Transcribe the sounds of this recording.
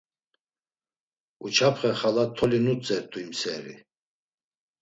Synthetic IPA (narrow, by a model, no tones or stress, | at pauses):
ut͡ʃʰapʰχɛχalat̪ʰɔlinut͡sʼɛɾt̪ʰʼuimsɛːɾḭ